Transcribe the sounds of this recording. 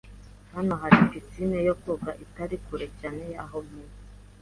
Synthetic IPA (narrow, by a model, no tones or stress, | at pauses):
hano̞ɦaɾikit͡sinejokobɡaʔitaɾikuɾecaːnejaɦomi